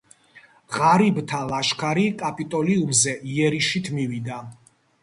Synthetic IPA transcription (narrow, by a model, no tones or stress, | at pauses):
ʁaɾibt̪ʰalˠaʃkʰaɾikʼapʼit̪ʼɔliumzɛʔiɛɾiʃit̪ʰmivid̪a